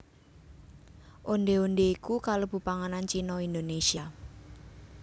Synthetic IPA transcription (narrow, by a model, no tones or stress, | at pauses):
ʔonɖ̪eonɖeikukalob̥ṳpaŋanant͡ʃinɔind̪onesia